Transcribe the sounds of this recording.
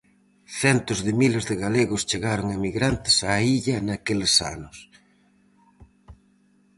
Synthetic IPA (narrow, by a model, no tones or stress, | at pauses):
θɛnt̪ʊzðɪmilezðɪɣaleɣʊst͡ʃeɣaɾʊŋamiɣɾant̪ɪ̥saiʎɐnakelesa̰nʊs